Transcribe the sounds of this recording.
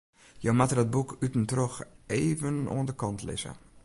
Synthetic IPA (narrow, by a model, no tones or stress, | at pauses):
jowmatərdɔd̚bukʰytn̩trɔxejvəno̰əndəkɔntlɪ̰zə̰